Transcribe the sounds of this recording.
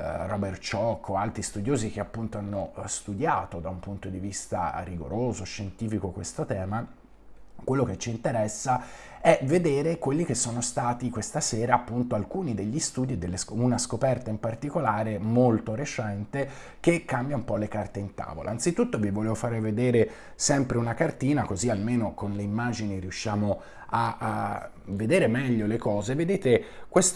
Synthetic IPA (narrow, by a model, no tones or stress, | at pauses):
rɔbert͡ʃɔkʰːoalt̪ɾist̪ud̪joːzik̟eapːunt̪oanːost̪ud̪jaːt̪od̪aumpunt̪od̪ivist̪a̰ɾiɡo̰ɾʔoːzoʃːent̪iːfikokwest̪ot̪ɛːma | kwelːoket͡ʃːint̪eɾɛsːa | ɛved̪eːɾekwelːik̟esːoːnost̪aːt̪ikwest̪asɛːɾaːpːunt̪oalkuːnid̪eʎːist̪uːd̪ied̪ːelːesunaskopɛrt̪aimpart̪ikolaːɾemolt̪oɾet͡ʃɛnt̪e | k̟ekːambjaumpɔlekart̪eint̪a̰ːvo̰lʔa̰ːnt̪sit̪ut̪ːovivolevofaːɾeved̪eːɾe | sɛmpɾeunakart̪iːnakozialmeːnokonleimːaːd͡ʒiniɾiuʃːjaːmo | a | ved̪eːɾemɛʎːolekɔːzeved̪eːt̪ekwes